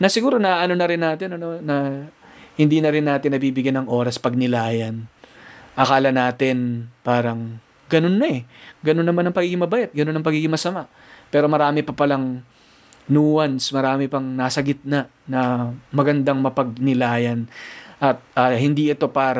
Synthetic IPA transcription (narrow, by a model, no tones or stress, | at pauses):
nɐsɪɡuːɾo̞nɐʔɐno̞nɐɾɪnːaːt̪ɪnɐno̞nɐ | hɪnd̪iːnɐɾɪnːaːt̪ɪnːɐbiːbɪɡjanɐŋʔo̞ːɾɐspɐɡ̚nɪlaːjɐn | ʔɐkaːlɐnaːt̪ɪnpaːɾɐŋ | ɡɐno̞nːɐɛɡɐno̞nːɐmanːɐŋpɐɡiːɡɪŋmɐbɐʔɛt̪̚ɡɐno̞nːɐŋpɐɡiːɡɪŋmɐsɐmaʔ | pɛːɾo̞mɐɾaːmɪpɐpɐlaŋ | nuːwɐnsmɐɾaːmɪpɐŋnasɐɡɪt̪̚nɐ | nɐmɐɡɐnd̪aŋmɐpɐɡ̚nɪlaːjɐnʔɐt̪̚aːhɪnd̪iʔɛt̪o̞paːɾɐ